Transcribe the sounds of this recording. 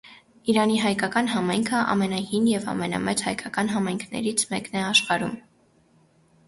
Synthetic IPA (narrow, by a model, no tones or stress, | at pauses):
iɾɑniɦɑjkɑkɑnɦɑmɑjŋkʰəʔɑ̰mɛnɑhinjɛvɑ̰mɛnɑ̰mɛt͡shɑjkɑkɑn̪ɦɑmɑjŋkʰnɛ̰ɾit͡sʰmɛknɛɑʃχɑɾum